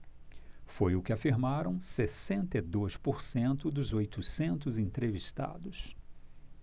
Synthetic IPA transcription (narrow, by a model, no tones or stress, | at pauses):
fojʊkɪafiɾmaɾɐ̃w̃sesẽnt̪ed̪ojspoɾsẽnt̪ʊd̪ʊzojt̪ʊsẽnt̪̬ʊzẽnt̪ɾeviʃt̪a̰d̪ʊs